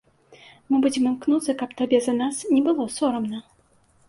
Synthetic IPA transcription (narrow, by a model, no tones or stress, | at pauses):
mɨbud͡zʲɛmɨmknut̪sːɐkapt̪abʲɛzɐnasnʲɛbɨlˠɔsɔɾɐmnɐ